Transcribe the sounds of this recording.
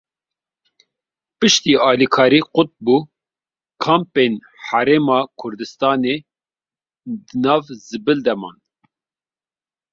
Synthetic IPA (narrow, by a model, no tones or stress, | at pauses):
pɨʃt̪iːɑːlikʰɑːɾiːqʊt̪̚buː | kʰɑːmpen | ħæɾeːmɑːkʰʊɾd̪ɨst̪ɑːneː | d̪ɨnɑːvzɨbɨld̪ɛmɑ̰ːn